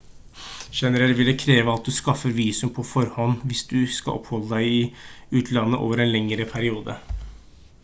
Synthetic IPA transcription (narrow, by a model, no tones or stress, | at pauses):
ʃɛnəɾɛlʋɪlːəkʰɾeːʋəɑt̪̚d̪ʉskɑfəɾʋiːsʉmpʰɔfɔɾhɔnʋɪsd̪ʉskɑ̰ʔɔ̰phɔlːəd̪æɪɪʉːt̪ʰlɑnːəʔo̰ːʋəɾɛnlɛŋəɾəpʰæɾɪuːd̪ə̰